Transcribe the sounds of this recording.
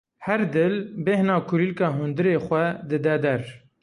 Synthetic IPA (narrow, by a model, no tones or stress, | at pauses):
hɛɾd̪ɨlbɛhnɑːkʰʊɾiːlkɑːɦund̪ɨɾeːxʷɛd̪ɨd̪ɛd̪ɛɾ